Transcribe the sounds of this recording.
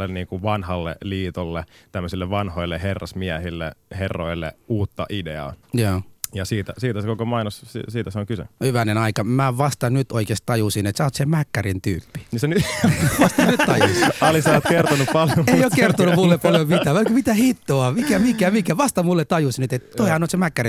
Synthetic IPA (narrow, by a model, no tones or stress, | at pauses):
lːenniːŋkuʋʋɑnhɑlːḛliːt̪olːḛt̪æmːøsilːeʋʋɑnhoilːeherːɑ̰smiæhilːḛherːo̰ilːḛuːt̪ːɑ̰ʔidḛɑ̰ːjæːjɑsiːt̪æsiːt̪æsekokomɑinosssiːt̪æseoŋkysḛhyʋænenɑikɑmæʋɑst̪ɑnyt̪oikest̪t̪ɑjusinet̪sæot̪semækːærint̪yːpːi̥nisenyʋɑst̪ɑnyt̪t̪ɑjusɑlisɑːt̪kert̪onuppɑljoeioːkkert̪onumulːeppɑljomit̪æʋkmit̪æhit̪ːoɑmikæmikæmikæʋɑst̪ɑmulːet̪t̪ɑjusnyt̪et̪t̪oihɑnoˑt̪semækːæri